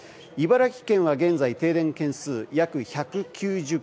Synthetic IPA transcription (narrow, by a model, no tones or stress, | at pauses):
ibaɾakʲi̥kẽ̞ɰ̃βaɡẽ̞nzait̪e̞ːd̪ẽ̞ŋkẽ̞ɰ̃sɨːjakɯ̟çakɯ̟kʲɨːʑɨ